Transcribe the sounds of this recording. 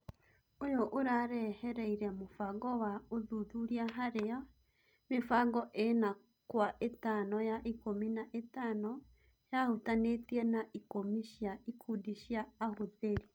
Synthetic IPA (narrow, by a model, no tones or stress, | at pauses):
ojoʔoɾaɾɛhɛɾɛiɾɛmofaɡɔwaoðuðuɾiaɦaɾea | mefaɡɔʔena | kwaʔetanɔjaʔikominaʔetaːnɔ | jahutanetiɛnaikomiʃjaikʰudiʃjaːhoðeɾi